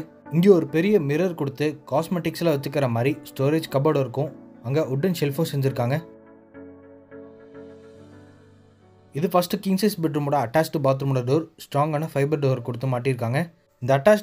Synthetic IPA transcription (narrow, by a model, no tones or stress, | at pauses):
ɪŋɡeːɔɾɯpɛɾɪjɐmɪɾɐɾkɔɽɯt̪ːɯkaːsmeʈːɪkslaʋɐt͡ʃːɯɾkːɪɾɐmaːd̪ɾisʈoːɾeːd͡ʒkɐbɐːɽɪɾɯkːʊ̃ɐŋɡɐʔʊɖːɐnsɛlfõsɛɲd͡ʒɪɾɯkːaːŋɡɐ | ɪðɯfɐsʈɯkɪŋsɐsbɪʈɾɯmuːɽɐɐʈːaːsʈːɯbaːt̪̬ɾmɐɽɐɖoːɾsʈɾaːŋɡaːnɐfɐɪbɐɾɖoːʋɐɾkɔɽɯt̪ːɯmaːʈːɪɪɾɯk̬ːaːŋɡɐ | ɪnd̪ɐːʈːaːs